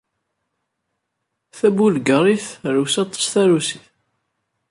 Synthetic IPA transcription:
θæbulɡəɾˤiθɾusɑt̪ˤːə̥sθæɾusiθ

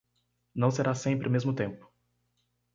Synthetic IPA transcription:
nɐ̃w̃seɾasẽmpɾɪʊmezmʊt̪ẽmpʊ̥

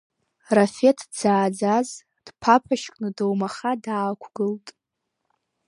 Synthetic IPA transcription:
rafetʰd͡zaːd͡zaz | d̥pʰapʰaʃkʼnɨdowmaχadaːkʷʰɡ̥ɨltʼ

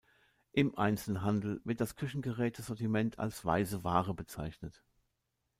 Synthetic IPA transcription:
ʔɪmʔa̰ɪnt͡sl̩ɦandl̩vɪɐt̚d̥askʰʏçn̩ɡəʁɛːtʰəz̥ɔɐtimɛntʰa̰lsv̥a̰ɪzəvaːʁəbət͡sa̰ɪçnət

